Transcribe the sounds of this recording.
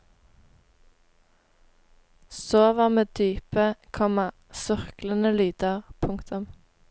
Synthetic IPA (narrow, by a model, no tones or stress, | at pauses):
soːʋɑːʁmeːd̪̥yːpəkʰɔmɑ | sʏʁklənəlyːd̪əʁpʰʊŋkt̪ʰʊm